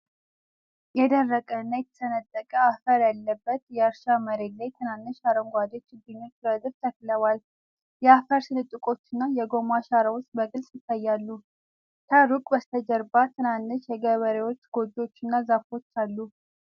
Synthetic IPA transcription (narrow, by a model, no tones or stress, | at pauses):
jɛd̪ərːəkʼəɨnːajɛt̪ʰːə̥sənət̪ʼːəkʼəafəɾjalːəbːət̪jɛəɾʃaməɾed̪lajt̪ʰɨnanːɨʃaɾəŋɡʷad̪et͡ʃːɪd̪ɨɲːo̞t͡ʃːbəd̪ɨɾt̪ʰəkləwal | jɛafəɾsɨnɨt̪ʼːɨkʼo̞t͡ʃːɨnːajɛɡo̞maʃaɾəwʊst̪bəɡʼɨlsʼjɪt̪ːajːalːu | t̪ʰaɾukʼbəst̪ʰəd͡ʒɛɾbat̪ʰɨnanːɨʃjɛɡəβəɾewo̞t͡ʃːɡ̥o̞d̪o̞t͡ʃːɨnːazafo̞t͡ʃːalːu